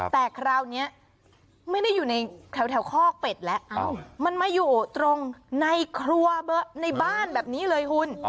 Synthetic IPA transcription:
t̪ɛː˨˩kʰɾaː˧wni˦˥ɐ | ma˥˩jda˥˩jːuː˨˩na˧jt̪ʰɛ˨˩˦wt̪ʰɛ˨˩˦wkʰɔː˥˩k̚pe˨˩t̪̚lɛ˦˥ʔʔa˧˩ma˧nma˥˩jːuː˨˩ʔoː˨˩t̪ɾo˧ŋna˧jkʰɾu˧ɐbɤ˦˥ʔna˧jbaː˥˩nbɛː˨˩p̚niː˦˥lɤː˧jkʰu˦˧˥n

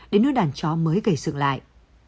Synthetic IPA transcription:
ɗe˨˦nːɨ˦˥k̚ɗaː˨˩nt͡ɕɔ˨˦məː˨˦jɣə˧˩jsɨ̰˧˨ŋla̰ː˧˨jʔ

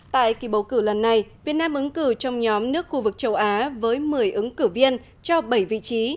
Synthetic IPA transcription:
t̪a̰ː˧˨jki˧˩ɓə˨˩wkɨ˧˩lə˨˩nːa˨˩jvi˨˩ət̚naː˧mʔɨ˨˦ŋkɨ˧˩t͡ɕɔ˧wŋ͡mɲɔ˨˦mnɨ˦˥ək̚xu˧vɨ˨˩k̚t͡ɕə˨˧˦wʔaː˨˦vəː˨˦jmɨ˨˩əjʔɨ˨˦ŋkɨ˧˩vi˧ən | t͡ɕɔ˧ɓə˧˩jvḭ˧˨t͡ɕi˨˦

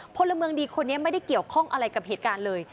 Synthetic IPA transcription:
pʰo˧la˧mɯ˧əŋdiː˧kʰo˧nːi˦˥ɐma˥˩jda˥˩jki˨˩əwkʰɔ˥˩ŋʔa˧ɾa˧jka˨˩p̚heː˨˩t̪̚kaː˧nlɤː˧j

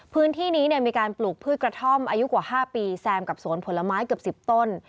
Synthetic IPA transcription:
pʰɯː˦˥nt̪ʰiː˥˩niː˦˥n˥˩miː˧kaː˧npluː˨˩k̚pʰɯː˥˩t̪̚kɾa˧t̪ʰo˥˩mʔaː˧ju˦˥kwaː˨˩haː˥˩piː˧sɛː˧mka˨˩p̚su˨˩˦ənpʰo˩˦nla˧maː˦˥jkɯ˨˩əpsi˨˩p̚t̪o˥˩n

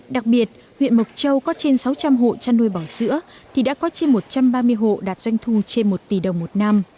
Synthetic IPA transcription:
ɗa˨˩k̚ɓi˨˩ət̚ | hwḭ˧˨ənmə˨˩k͡p̚t͡ɕə˧wkɔ˨˦t͡ɕe˧nsa˨˦wt͡ɕa˧mɦo̰˧˨t͡ɕaː˧nu˧əjɓɔ˧˩zɨ̰˧˥ət̪ʰi˨˩ɗa̰ː˧˥kɔ˨˦t͡ɕe˧nmo˨˩t̚t͡ɕa˧mɓaː˧mɨ˧əjɦo̰˧˨ɗaː˨˩t̚z̥wa˧jŋ̟t̪ʰu˧t͡ɕe˧nmo˨˩t̚t̪i˨˩ɗə˨˩wŋ͡mmo˨˩t̚na˧m

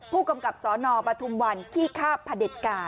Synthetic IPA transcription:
pʰuː˥˩ka˧mka˨˩p̚sɔː˩˦nɔː˧pɾa˧t̪ʰu˧mwa˧nkʰiː˥˩kʰaː˥˩pʰːa˧de˨˩t̪̚kaː˧n

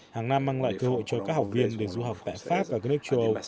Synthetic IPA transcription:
haː˨˩ŋna˧mːaː˧ŋla̰ː˧˨jkəː˧ho̰˧˨jt͡ɕɔ˧kaː˦˥k̚ha˨˩wk͡p̚vi˧ənɗe˨˧˩zu˧ɦa˨˩wk͡p̚t̪a̰ː˧˨jfaː˦˥p̚vaː˨˩kaː˦k̚nɨ˦˥ək̚t͡ɕə˧wʔə˧w

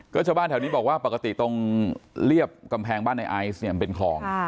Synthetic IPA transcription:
kɔː˥˩t͡ɕʰaː˥˩wbaː˥˩nt̪ʰːniː˦˥bɔː˨˩kwaː˥˩pa˨˩ka˧t̪i˨˩t̪o˥˧ŋɾi˥˩əp̚ka˧mpʰɛː˧ŋbaː˥˩nːa˧jʔaː˧jsni˥˩pe˧nkʰɔː˧˦ŋ

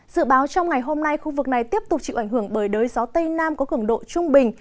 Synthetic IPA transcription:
z̥ɨ̰˧˨ɓaː˨˦wt͡ɕɔ˧wŋ͡mŋa˨˩jɦo˧mna˧jxu˧vɨ˨˩k̚na˨˩jt̪i˦˥əp̚t̪ʊ˨˩k͡p̚t͡ɕḭ˧˨ʔa˧˩jŋ̟ɦɨ˧˩əŋɓəː˧˩jɗəː˨˦jzɔ˨˦t̪ə˧jnaː˧mkɔ˨˦kɨ˧˩əŋɗo̰˧˨t͡ɕʊ˧ŋ͡mɓï˨˩ŋ̟

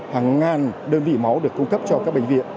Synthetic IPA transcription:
haː˨˩ŋːaː˨˩nɗəː˧nvḭ˧˨ma˨˦wɗɨ˨˩əkːʊ˧ŋ͡mkə˦˥p̚t͡ɕɔ˧kaː˦˥k̚ɓ̰ŋ̟vḭ˧˨ən

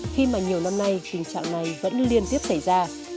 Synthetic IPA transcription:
xi˧maː˨˩ɲi˨˩əwna˧mna˧jt̪ï˨˩ŋ̟t͡ɕa̰ː˧˨ŋna˨˩jvə̰˧˥nli˧ənt̪i˦˥əp̚sa˧˩jzaː˧

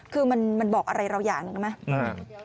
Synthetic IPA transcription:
kʰɯː˧ma˧nma˧nbɔː˨˩k̚ʔa˧ɾa˧jɾa˧wjaː˨˩ŋnɯ˨˩˨ma˦˥a˧˩

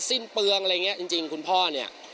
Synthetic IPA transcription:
si˥˩npɯ˧əŋʔa˧a˧ŋːi˦˥ɐʔt͡ɕi˧ŋt͡ɕi˧ŋkʰu˧npʰɔː˥˩ni˥˩ɐʔ

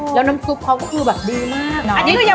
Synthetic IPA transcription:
jaː˨˧˩wna˧msu˨˧˥p̚ha˧wkɔ˦˥kɯː˧bɛː˨˩p̚ɗiː˧maː˥˩˥k̚nɔ˨˧i˧˦˧a˧

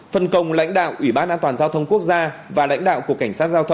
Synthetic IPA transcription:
fə˨˩nkə˨˩wŋ͡mla̰˧˥jŋ̟ɗa̰ː˧˨wʔwi˧˩ɓaː˧nʔaː˧nt̪waː˨˩nzaː˧wt̪ʰə˧wŋ͡mku˦˥ək̚zaː˧vaː˨˩la̰˧˥jŋ̟ɗa̰ː˧˨wku˧˩əkːa˧˩jŋsaː˦˥t̚zaː˧wt̪ʰə˧ŋ͡m

